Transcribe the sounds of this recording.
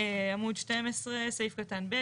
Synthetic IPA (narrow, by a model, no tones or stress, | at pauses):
amud̪ʃte̞mesʁesejifkatanbe